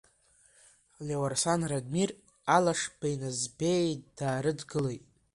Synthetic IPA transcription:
lʲewarsanradmir | alaʂbajnazbejd̥aːɾɨdɡɨlejtʼ

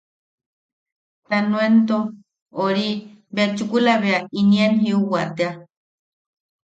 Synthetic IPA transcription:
t̪anwent̪o | oɾibet͡ʃukulaβeainienhiuwaʔt̪ea

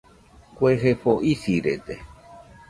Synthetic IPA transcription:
kʷeɦepoʔisiɾḛt̪e

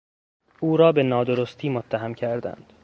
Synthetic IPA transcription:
uːɾɒːbe̞nɒːd̪oɾost̪ʰiːmot̪ʰːæɦæmcʰæɾd̪æ̰nd̪̥

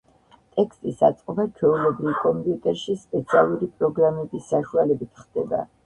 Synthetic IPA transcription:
t̪ʼɛkʰst̪ʼisa̰t̪sʼqʼɔbat͡ʃʰwɛulɛbɾilkʼɔmpʼjut̪ʼɛɾʃispʼɛt̪sʰialˠuɾipʼɾɔɡɾamɛbisːaʃualɛbit̪ʰχd̪̥ɛba̰

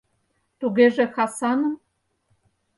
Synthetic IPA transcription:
t̪uɣeʒĕxɑsɑnɤ̆m

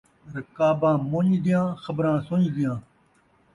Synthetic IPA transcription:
ɾɐkaːbãːmõːɲd̪ɪjãːxəbɾãːsõːɲd̪ɪjãː

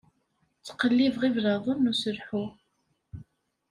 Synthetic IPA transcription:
t͡sːə̥qːəlːivʁivɾɑðˤənːusəɾħu

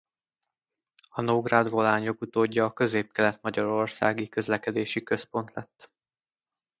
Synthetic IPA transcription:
ɒnoɡrad̪vo̞laːɲokut̪oːɟːɒːkø̞zeːp̚kɛlɛt̪mɒɟɒɾo̞rsa̰ːɡikø̞zlɛkɛd̪eːʃikø̞spo̞nt̪lɛt̪ː

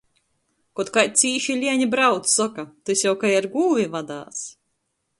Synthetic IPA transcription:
kɔt̪kat̚ʲt̪sʲiːʃilʲiɛɲibɾawt̪ssɔkat̪usʲjawkajaɾɡuːvʲivad̪a̰ːs

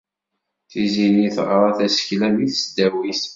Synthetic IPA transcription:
θiziniθʁɾˤɑθæsə̥çlæmiθsd̪æwiθ

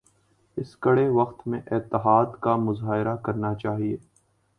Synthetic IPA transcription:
ɪskɐɽeʋɐqt̪mẽʔɪːt̪ːɪɦaːd̪kamʊzaːɪɾakɐɾnat͡ʃaːɦieː

